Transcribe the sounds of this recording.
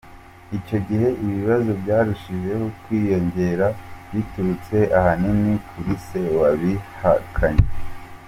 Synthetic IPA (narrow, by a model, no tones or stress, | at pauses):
ico̞ɟihe̞ʔiβiβazobɟaːɾuʃiʒe̞hokwiːjo̞ɲɟe̞ɾaβituɾut͡se̞ʔahaninikʰuɾise̞waβihakʰaɲe